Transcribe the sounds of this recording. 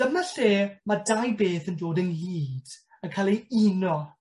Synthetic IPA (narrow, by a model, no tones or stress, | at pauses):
d̥əmnaɬeːmadajbeːθəndoːdənliːd̥ | əkʰalˠiinɔ